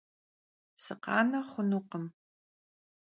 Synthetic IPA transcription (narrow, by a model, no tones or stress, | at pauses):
sɨqɑ̰ːnɐχʷʊnuqəm